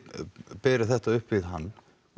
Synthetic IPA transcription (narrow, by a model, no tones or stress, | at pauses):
pɛːɾɪθɛht̪aʏhpvɪðɦanː